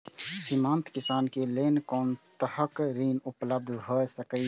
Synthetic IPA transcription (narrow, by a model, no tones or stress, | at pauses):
simãːnt̪kisaːnkelenkɔːnt̪əhəkɾiːnupləb̚d̪ʱɦosəkəj